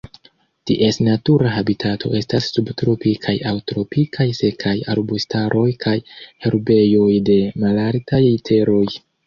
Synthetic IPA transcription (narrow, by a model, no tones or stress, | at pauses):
tiʔe̞snatuɾaɦabitatʰo̞̰ʔe̞stasːubtɾo̞pikʰajawtɾo̞pikʰajse̞kʰaja̰lbustaɾʔo̞jkʰajheɾbe̞jo̞jde̞malaɾtajitʰe̞ɾo̞j